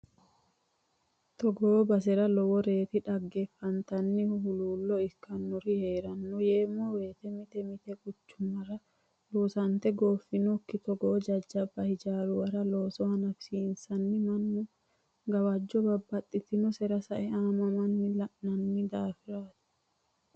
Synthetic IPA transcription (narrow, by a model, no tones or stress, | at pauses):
t̪ɔɡɔbɐs̬ɛɾɐlɔwɔɾe̞ːt̪ɪᶑɐɡːɛfːɐnt̪ɐnːɪhhʊluːlːɔɪkːɐnːɔɾɪheːɾɐnːɔjeːmːɔwe̞ːt̪ɛmɪt̪ɛmɪt̪ɛkʼʊt͡ʃːʊmɐɾɐ | loːsɐnt̪ɛɡoːfːɪnɔkːɪt̪ɔɡoːd͡ʒɐd͡ʒːɐbɐhɪd͡ʒaːɾʊwɐɾɐloːsɔhɐnɐfsiːnsɐnːɪmɐnːʊ | ɡɐwad͡ʒːɔbɐbːɐt̪ʼːɪt̪ːɪnɔsɛɾɐsɐʔɛaːmɐmɐnːɪlɐʔnɐnːɪd̪aːfɪɾaːt̪ɪ̥